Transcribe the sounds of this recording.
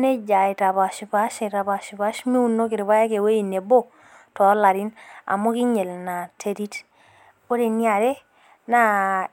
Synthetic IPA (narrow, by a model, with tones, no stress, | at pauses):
ne˦d͡ʒa˨i˨ta˨βa˨ʃpa˦ʃe˨ta˨ba˨ʃba˦ʃmi˦u˨no˦kɪ˨ɾβa˦ja˦ke˨we˦i˨ne˨bo˦ | tɔ˨˦la˨ɾi˦na̰˨mo˦ki˦ɲe˨lna˨tʰe˨ɾi˦t | o˦de˨ni˦a˨ɾe˦ | na˦